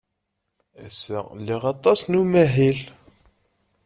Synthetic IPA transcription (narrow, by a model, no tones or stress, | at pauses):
æsæ̰lːiʁɑt̪ˤɑsnumæɦil